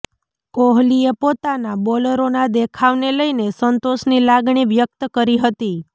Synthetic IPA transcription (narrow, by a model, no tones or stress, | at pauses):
koɦliepot̪anabɔləɾonad̪ekʰaʋneləjnesənt̪oʃnilaɡɳ̃iʋjək̚t̪əkəɾiɦət̪i